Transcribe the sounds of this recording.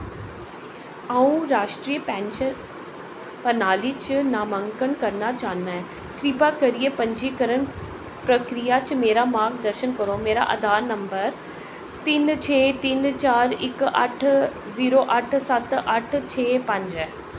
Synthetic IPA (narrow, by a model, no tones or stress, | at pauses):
aːũɾaːʃʈɾiːəpɛ̃ːnʃə | pɐnaːlit͡ɕɪnaːmə̃ŋkənkɐɾnat͡ɕaːna | kɾipakɐɾiepɐ̃ɲd͡ʑikɐɾən | pɾɐkɾijat͡ɕmeːɾamãːɡd̪ɐɾʃənkɐɾomeːɾa̰ʔɐ̰d̪ʱaːɾnɐ̃mbəɾ | t̪iːnt͡ɕʰeːt̪iːnt͡ɕaːɾɪkɐ̰ʈʰ | ziːɾoʔɐʈ̆ʰsɐt̪ʔɐʈʰt͡ɕʰeːpɐ̃ɲd͡ʑ